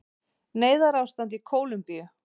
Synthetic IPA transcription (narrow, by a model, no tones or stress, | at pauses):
neːjðaɾaːwst̪ant̪̬ikʰoːwlʏmpijʏ